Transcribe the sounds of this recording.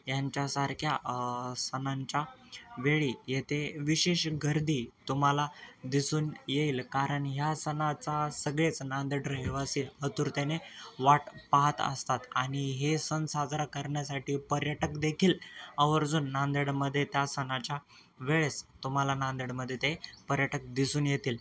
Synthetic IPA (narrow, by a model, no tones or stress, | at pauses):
jaɲt͡ɕjasaɾkʰjasənaɲt͡ɕjaʋeɭiːjet̪ʰeʋiɕeɕɡʱəɾd̪iːt̪um̤alad̪isuːnjeiːlkaɾəɳɦjasənat͡sasəɡɭet͡snand̪əɽɾɦeʋasiːət̪uːɾt̪eneʋaʈpaɦət̪ə̰st̪at̪aɽ̃iɦesənsad͡zɾakəɾɳjasaʈiːpəɾjəʈəkd̪ekʰiːləʋəɾd͡zuːnːand̪əɽməd̪ʱːjet̪jasənat͡ɕja | ʋeɭest̪um̤alanand̪əɽməd̪ʱːjet̪epəɾjəʈək̚d̪isuːnjet̪iːl